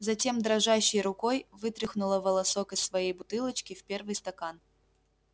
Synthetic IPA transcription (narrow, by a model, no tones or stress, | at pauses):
zɐtʲe̞md̪ɾɐʐaɕːɪjɾʊko̞jvɨt̪ɾʲɪxnʊlˠəvəlˠɐso̞kɨsːvɐjejbʊt̪ɨlˠət͡ɕkʲɪfpʲe̞rvɨjst̪ɐkan